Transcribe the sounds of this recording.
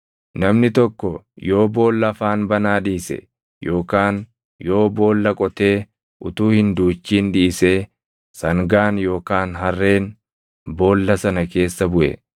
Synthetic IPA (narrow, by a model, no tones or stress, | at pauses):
nɐmnɪt̪ɔkːɔ | jo̞ːbo̞ːlːɐfaːnbɐnaːᶑiːsɛ̰ | jo̞ːkaːn | jo̞ːbo̞ːlːɐkʼɔt̪e̞ː | ʔʊt̪uːhɪnd̪uːt͡ʃːiːnᶑiːseː | sɐŋɡaːnjo̞ːkaːnɦɐrːe̞ːn | bo̞ːlːɐsɐnɐke̞ːsːɐbʊʔɛ̰